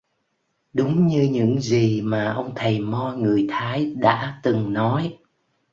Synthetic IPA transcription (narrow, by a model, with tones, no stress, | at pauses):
ɗʊ˨˦ŋ͡mɲɨ˧ɲɨ̰˧˥ŋzi˨˩maː˨˩ʔə˧wŋ͡mt̪ʰə˨˩jmɔ˧ŋɨ˨˩əjt̪ʰaː˨˦jɗa̰ː˧˥t̪ɨ˨˩ŋnɔ˨˦j